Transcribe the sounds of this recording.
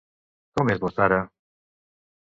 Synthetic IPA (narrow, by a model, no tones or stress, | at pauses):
t̪omezβosaɾa